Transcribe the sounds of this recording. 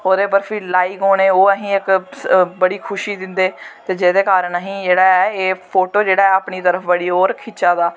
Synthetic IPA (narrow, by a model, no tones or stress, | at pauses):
oːd̪eːpəɾfʰiːlaːiːkoːɽẽːoːəɦĩːɪkbəɽiːkʰʊʃiːd̪ɪnd̪eːt̪eːd͡ʒeːd̪eːkaːɾəɳəɦĩːd͡ʒeːɽaːɛːeːpʰoːʈoːd͡ʒeːɽaːɛːapɳiːt̪əɾəfʰbəɽiːoːɾkʰɪt͡ʃaːd̪aː